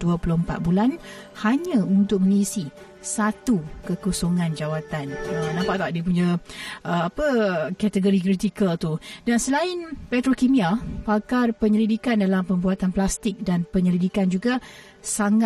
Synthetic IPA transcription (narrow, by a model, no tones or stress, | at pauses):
duapulʊhmpa̰t̪̚bulanhaɲãunt̪ʊk̚mə̃niisi | sat̪ukəkusoŋãnd͡ʒawat̪anənãmpaʔt̪aʔdiəp̬uɲãʔəapəkat̪əɡoɾik̬ɾit̪ikəlt̪udansəlaɪnpɛt̪ɾokimiapakarpəɲəlidikandalampəmbuat̪anplast̪ɪk̚danpəɲəlidikand͡ʒuɡa | saŋa